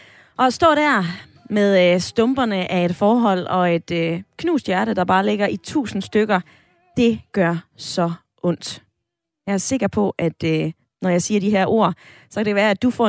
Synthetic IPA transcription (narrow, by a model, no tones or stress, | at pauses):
ʔɒ̽sd̥ɔ̰̽ːɾ̥æɐ̰ | meðˠsd̥ɔ̽mb̥ɐnəʔæe̝d̥fɒːɦɒ̽l̰ɒ̽e̝d̥økʰnṵːsd̥jæɐɾəd̥ɑ̈b̥ɑ̈ːle̝ɡ̥ɐʔit͡sʰṵːsn̩sd̥øɡ̥ɐ | d̥e̝ɡ̥ɶɐsɒ̽ | ʔɔ̽n̰d̥ | jɑ̈æɐse̝ɡ̥ɐpʰɒ̽ʔæd̥ø | nɒjɑ̈ɪsiːɐdiɦæɐ̰ʔo̝̰ɐ̰sɒ̽kʰæd̥eʋæːɐæd̥ufɒ̰